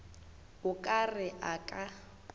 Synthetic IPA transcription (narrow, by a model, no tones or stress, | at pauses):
ʊkʼarɪʔakʼa